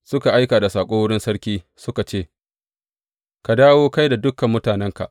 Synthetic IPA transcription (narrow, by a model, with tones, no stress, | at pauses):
sʊ˦ka˨ʔa˦jkaː˨da˨saː˨kʷʼoː˦wʊ˦ɽɪ˦nsɐ˦ɽkʲiː˦ | sʊ˦ka˨t͡ʃeː˦˨ | ka˨daː˦woː˦ka˦jda˨dʊ˦kːɐ˨mːʊ˦taː˨nɛ˦ŋka̰˨ʔ